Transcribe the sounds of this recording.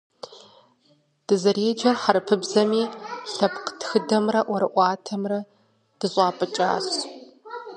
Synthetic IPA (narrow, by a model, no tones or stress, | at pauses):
d̥ɨzɐɾeːd͡ʒɐrħaɾɨpʰɨbzɐmiːɬɐpqtxɨdɐmrɐʔʷɔɾɨʔʷɑːtʰɐmrɐ | d̥ɨɕʼɑːpʼɨt͡ʃʼa̰ːɕ